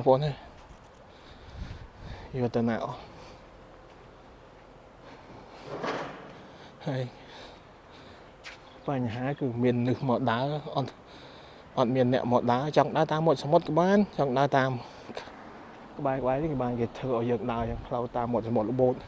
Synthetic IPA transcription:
poəna | joət̪ana̰ːʔ | həəj | paɲɦaːkɨːmiənnɨhmɔːɗaəʔɑt̪̚ | ʔɑt̪̚miənːɛ̆əʔmɔːɗaət͡ɕɑŋkɗaət̪aːmːot̪̚samot̪̚kɓaːnt͡ɕɑŋkɗaət̪aːm | kə̆ɓaɛkə̆ɓaɛnɨŋkeɓaːnkeːt̪ʰəːʔaɔjəːk̚ɗaəjaŋkʰlawt̪aːmːoət̪̚samot̪̚ləɓoːt̪̚

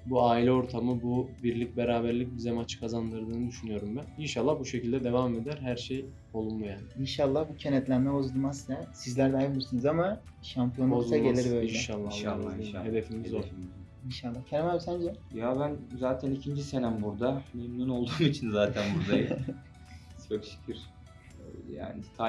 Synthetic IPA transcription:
buaːilʲɛo̞ɾt̪ʰamɯbubiɾlʲic̚ʲbeɾaːbæɾlʲic̚ʲbizɛmat͡ʃʰkʰazand̪ɯɾd̪ɯːnɯd̪yʃynyjo̞ɾumbæninʃalˠːahbuʃe̞cʰilʲd̪ɛd̪e̞vame̞d̪æɾɦæɾʃej | o̞lˠunmujaːniinʃalˠːahbucʰenɛt̪lʲæmmɛbo̞zulˠmaslɛsizlʲæɾd̪ɛajmɯɾsunuzama | ʃampʰijo̞noaɟe̞lʲiɾbø̞jilʲɛʃalːˠalːaihe̞d̪e̞fimizolˠ | inʃalˠːahcʰeɾmabsænd͡ʒɛjabænzaːt̪ʰænicʰind͡ʒisenæmbuɾd̪amemnuno̞lˠd̪uːmit͡ʃʰinzaːt̪ʰænbuɾd̪aji | t͡ʃʰokʃi̥cʰiɾ̥ | ja̰ːnɪt̪ʰa

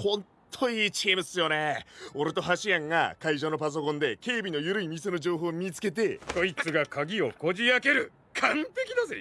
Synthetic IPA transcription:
hõ̞nt̪ʰo̞iːt͡ɕiemɯsɨjo̞ne̞o̞ɾɯt̪o̞ɦaɕiãŋɡa̰kaiʑo̞ːno̞pas̬o̞kõ̞nd̪e̞ke̞ːbʲino̞jɯ̟ɾɯ̟imʲiseno̞d͡ʑo̞ːɦo̞ːmʲit͡sɨ̥ke̞t̪̬e̞ko̞it͡sɨɡakaɡʲio̞ko̞d͡ʑiake̞ɾɯ̟ | kʰãmpe̞kʲid̪asɨ

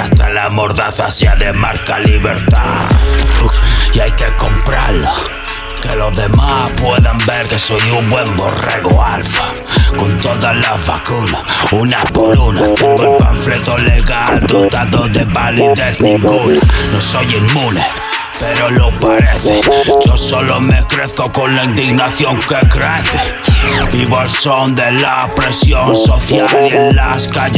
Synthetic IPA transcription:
ast̪alamoɾðaθasjaðemaɾkaliβḛɾt̪a̰ | iajkekompɾa̰la | keloðemapwɛðambɛɾkesojumbwɛmborɛ̰ɣoa̰lfa | kont̪ɔðalaβa̰kunaunapolunat̪ɛŋɡoelpa̰ɱflet̪oleɣald̪ot̪aðoðeβaliðeθnĩŋɡunanosojimmune | peɾolopaɾeθed͡ʒosolomekɾeθkokonlaind̪iɣnaθjoŋkekɾeθe | biβoalsond̪elapɾesjonsoθjalienlaskaʎ

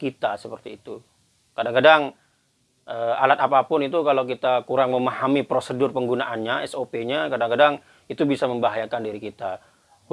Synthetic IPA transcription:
kit̪asəpərt̪iːt̪u | kadaŋkadaŋ | ʔəːa̰lat̪apapʊnit̪ukalokit̪akuɾaŋməmahamipɾosədʊrpəŋɡunaʔanɲaɛsopeɲakadaŋkadaŋ | it̪ubisaməmbaɦajakandiɾikit̪a

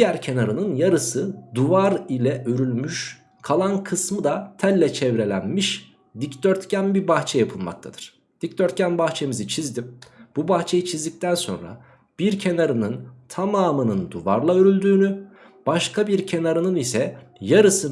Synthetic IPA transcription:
d̪ijæɾcʰe̞naɾɯnɯnjaɾɯsɯd̪uvaɾilʲɛʔøɾylʲmyʃ | kʰalˠankʰɯsmɯd̪at̪ʰælʲːɛt͡ʃʰɛvɾe̞lʲænmiʃ | d̪ict̪øɾt̪cænbibaxt͡ʃʰɛjapʰɯlˠma̰k̚t̪ʰad̪ɯɾ̥ | d̪̥ic̚t̪øɾt̪̚cænbaxt͡ʃʰe̞mizit͡ʃʰizd̪imbubaxt͡ʃʰe̞jit͡ʃʰizd̪ic̚t̪ʰænso̞̰nɾa̰ | b̥iɾcʰe̞naɾɯnɯnt̪ʰamaːmɯnɯnd̪uvaɾlˠaøɾylʲd̪yːny | b̥aʃkʰabiɾcʰe̞naɾɯnɯnisɛjaɾɯsɯ

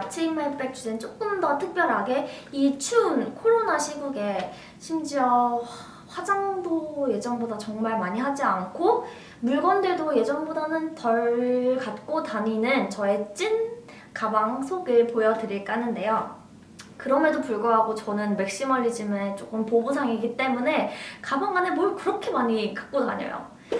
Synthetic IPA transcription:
at͡ɕʰeimep͈ek̚t͡ɕ͈ʰudent͡ɕ͈ok͈ɯmdʌtʰɯk̚p͈jʌɾɦaɡe̞it͡ɕʰunkʰoɾonaɕʰiɡuɡe̞ | ɕʰimd͡ʑiʌ | ɸwad͡ʑaŋdoje̞d͡ʑʌŋbodat͡ɕʌŋmaɭmaɲiɦad͡ʑiankʰo | muɭɡwʌnde̞doje̞d͡ʑʌŋbodanɯntʌɭkat̚k͈otaɲinɯnt͡ɕʌe̞t͡ɕ͈in | kabaŋsʰoɡɯɭpojʌdɯɾiɭk͈anɯnde̞jo | kɯɾʌmedopuɭɡoɦaɡot͡ɕʌnɯnme̞k̚ɕ͈imʌʎːid͡ʑimɯt͡ɕ͈ok͈ɯmpobusʰaŋiɡit͈e̞mune̞kabʌŋanemwʌɭkɯɾʌkʰe̞maɲikḁk̚k͈ona̰ɲʌ̰jo̰

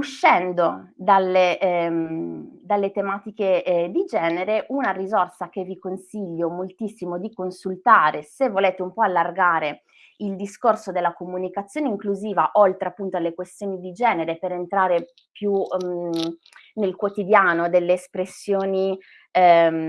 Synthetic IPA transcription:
uʃːɛnd̪od̪alːe | d̪alːet̪emaːt̪iked̪id͡ʒɛːneɾeʔunarizorsak̟evikonsiʎːomolt̪isːimod̪ikonsult̪aːɾesevːoleːt̪eumpɔalːarɡaːɾe | ild̪iskorsod̪elːakomunikat̪sːjoːneiŋkluziːvaʔolt̪ɾeapːunt̪oalːekwest̪joːnid̪id͡ʒɛːneɾepeɾent̪ɾaːɾe | pju | nelkwot̪id̪jaːnod̪elːeːspɾesːjoːni

